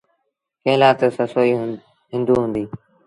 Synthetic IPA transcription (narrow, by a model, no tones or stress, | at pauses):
kẽːlaːt̪səsoːiː | ɦɪ̃nd̪uːɦũːnd̪iː